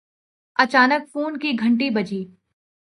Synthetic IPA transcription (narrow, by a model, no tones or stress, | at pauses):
ɐt͡ʃaːnək̚fuːnkiɡʱɐ̃ɳʈibɐd͡ʒiː